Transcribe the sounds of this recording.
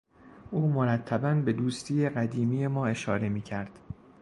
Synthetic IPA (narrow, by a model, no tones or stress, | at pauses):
ʔuːmoɾæt̪ʰːæbænbe̞d̪uːst̪ʰiːje̞ɢæd̪iːmiːje̞mɒːe̞ʃɒːɾe̞miːcʰæɾd̪̥